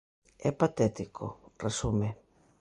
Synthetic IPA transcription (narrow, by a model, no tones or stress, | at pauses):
ɛpat̪ɛt̪ikʰo̰resume